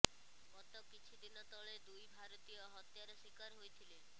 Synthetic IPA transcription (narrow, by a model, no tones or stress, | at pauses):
ɡɔt̪okit͡ʃʰid̪inɔt̪ɔɭed̪ujbʱaɾot̪ijɔɦɔt̪jaɾɔʃikaɾɦojt̪ʰilen